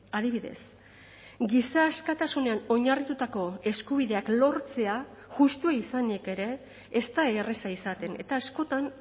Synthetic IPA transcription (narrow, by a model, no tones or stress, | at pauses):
aðiβiðe̞̰s | ɡisaːskat̪asune̞ano̞ɲarit̪ut̪ako̞e̞skuβ̞iðe̞aklo̞ɾt͡se̞a | ʝust̪uaisanieke̞ɾe̞ː | st̪aeːresaisat̪e̞ne̞̰t̪aːsko̞t̪an